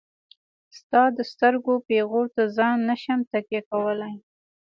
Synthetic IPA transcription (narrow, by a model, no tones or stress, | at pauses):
st̪ɑd̪əst̪əɾɡopeɣot̪azɑnːaʃamt̪akjekawəlaj